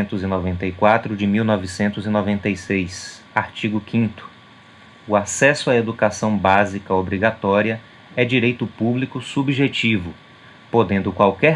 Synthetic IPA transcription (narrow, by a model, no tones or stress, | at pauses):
nt̪ʊzɪnovẽnt̪ɐjkwat̪ɾʊd͡ʒɪmiwnɔvɪsẽnt̪ʊzinovẽnt̪ejsejs | aɾt͡ʃiɡʊkʰĩnt̪ʊ̥ | ʊasɛsʊaed̪ukasɐ̃w̃bazikɐobɾiɡat̪ɔɾiɐ | ɛd͡ʒiɾejt̪ʊpublikʊsubʒet͡ʃivʊ | pod̪ẽnd̪ʊkwawkɛ